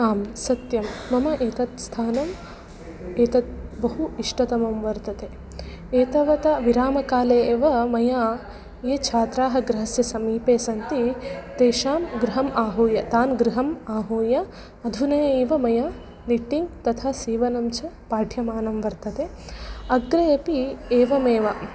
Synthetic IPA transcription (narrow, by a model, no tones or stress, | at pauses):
aːmsɐt̪jɐmːɐmɐʔeːt̪ɐt̪st̪ʰaːnɐm | eːt̪ɐt̪̚bɐɦuiʂʈɐt̪ɐmɐmʋɐɾt̪ɐt̪e | eːt̪ɐʋɐt̪ɐʋiɾaːmɐkaːleːʋɐmɐjaː | jeːt͡ʃʰaːt̪ɾaːɦɐ̆ɡɾɐɦɐsjɐsɐmiːpeːsɐnt̪it̪eːʃaːmɡɾɪɦɐmaːɦuːjɐt̪aːnɡɾiɦɐmaːɦuːjɐ | ɐd̪ʱunɐːeːʋɐmɐjaː | niʈːiŋɡt̪ɐt̪ʰaːsiːʋɐnɐmt͡ʃʰɐ | paːʈʰjɐmaːnɐmʋɐɾt̪ɐt̪eɐɡɾɐɐpieːʋɐmeːʋɐ